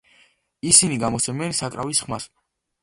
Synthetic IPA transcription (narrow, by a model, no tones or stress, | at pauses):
isiniɡamɔt̪sʰɛmɛnsakʼɾa̰visχmas